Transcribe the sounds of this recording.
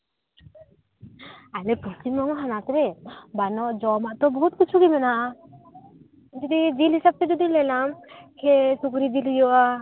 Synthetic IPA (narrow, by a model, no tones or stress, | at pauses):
alepɾɔst͡ʃimbɔŋɔɦanat̪ɾebanɔʔd͡ʒɔmaʔt̪ɔbɔɦut̪̚kit͡ʃʰuɡimɛnaʔ | d͡ʒɔd̪id͡ʒilɦisab̚t̪ed͡ʒɔd̪ilɛlamkʰesukɾid͡ʒilijɔʔa